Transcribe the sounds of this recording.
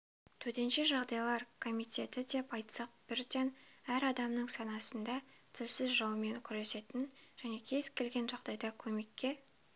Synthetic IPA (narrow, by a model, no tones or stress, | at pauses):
t̪ʰɵt̪e̞nʃe̞ʒɑʁd̪ɑjlˠɑɾkʰo̞mijt̪ʲe̞t̪ɪd̪e̞pɑjt̪sɑq̚b̥ɪɾd̪ʲenæɾɑd̪ɑmnəɴsɑnɑsənd̪ɑ | t̪ʰɪlsɪzʒɑwəme̞ŋkʲʰʏɾe̞se̞t̪ɪnʒ̥æne̞kʲʰe̞z̥kʲʰe̞lɡʲe̞nʒɑʁd̪ɑjd̪ɑkʲʰɵme̞kʲːe̞